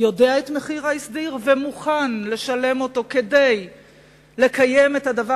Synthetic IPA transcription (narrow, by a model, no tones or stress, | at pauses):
jo̞deaetme̞χiʁaisdiʁvemuχanle̞ʃale̞mo̞to̞ke̞dej | le̞kaje̞methadava